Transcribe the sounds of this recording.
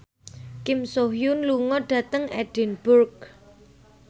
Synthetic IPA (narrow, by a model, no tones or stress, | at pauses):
kɪmsoɦjunluŋɔɖ̥ä̤t̪əŋɛɖ̥ɛ̤nb̥ʊrk̚